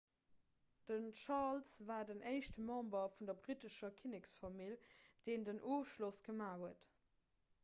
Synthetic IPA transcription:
d̥ənʃɑʁlsvaːdəneɪʃtəmɑ̃mbɐfundɐbʁitəʃɐkʰinɛksfɑmild̥eːndənʔoːfʃlosɡ̥əmaːhuət

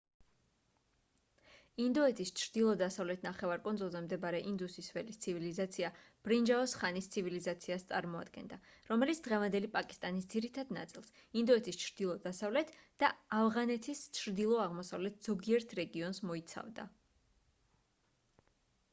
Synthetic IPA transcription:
ind̪ɔɛt̪ʰist͡ʃʰɾd̪ilˠɔd̪asavlɛt̪ʰnaχɛvaɾkʼɔnd̪zɔlˠzɛmd̪ɛbaɾɛʔind̪usisvɛlist̪sʰivilizat̪sʰiab̥ɾind͡ʒaɔsχanist̪sʰivilizat̪sʰiast̪sʼa̰ɾmɔa̰d̪ɡɛ̰nd̪aɾɔmɛlit̪sʰd̪ʁɛvand̪ɛlipʼakʼist̪ʼanisd̪z̥iɾit̪ʰad̪na̰t̪sʼilˠs | ind̪ɔɛt̪ʰist͡ʃʰɾd̪̥ilˠɔd̪asavlɛt̪ʰd̪̥aavʁanɛt̪ʰist͡ʃʰɾd̪ilˠɔaʁmɔsavlɛt̪ʰz̥ɔɡiɛɾt̪ʰɾɛɡiɔnsmɔit̪sʰa̰vd̪a̰

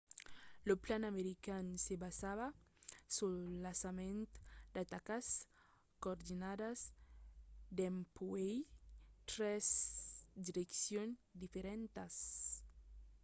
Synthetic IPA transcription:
loplanameɾikansebazaβasulasament̪d̪at̪akas | kooɾd̪inad̪az | d̪empuejt̪ɾɛzd̪iɾeksjond̪ifeɾɛnt̪as

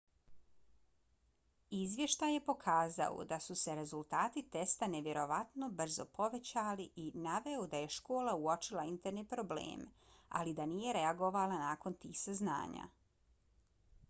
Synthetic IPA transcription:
izʋje̞ʃt̪aje̞po̞kʰaːza̰o̰d̪asuse̞ɾe̞zulˠt̪aːt̪it̪e̞st̪ane̞ʋjeɾo̞ʋat̪no̞br̩zo̞po̞ʋe̞t͡ɕaːliʔinaʋe̞od̪aje̞ʃko̞ːlauo̞t͡ʃilˠaint̪eɾnipɾo̞blḛːma̰lid̪anije̞ɾe̞aɡo̞ʋalanaːko̞nt̪iːxsazna̰ːɲa̰

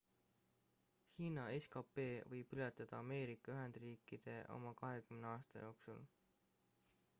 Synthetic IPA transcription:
hiːnɑe̞skɑpe̞ːvɤjb̥ylet̪ːˑɑd̪̥ɑɑme̞ːɾikˑːɑyɦe̞nd̪̥riːkːˑid̪̥e̞ʔo̞̰mɑkɑɦe̞kymneɑːst̪ɑ̰jo̞ːksul

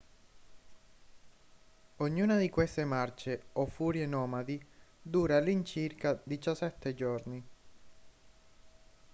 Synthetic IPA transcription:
oɲːuːnad̪ikwest̪emart͡ʃeofːuːɾjenɔːmad̪id̪uːɾalint͡ʃirkad̪it͡ʃasːɛt̪ʰːed͡ʒorni

